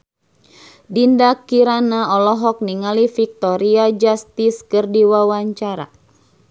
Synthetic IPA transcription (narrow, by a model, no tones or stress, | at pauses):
dindakːiɾanaɔlɔɦɔk̚niŋalifik̚t̪ɔɾiad͡ʒast̪iskɨrdiwawaɲt͡ʃaɾa̰